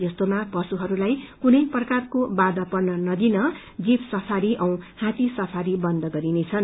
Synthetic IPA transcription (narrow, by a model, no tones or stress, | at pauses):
d͡zʌst̪omapʌsuɦʌɾulajkunʌjprʌkarkobad̪ʌpʌrnʌnʌd̪inʌ | d͡zipsʌpʰaɾiʔʌw̃hãt̪isʌpʰaɾibʌnd̪ʱʌɡʌɾinet͡sʰʌn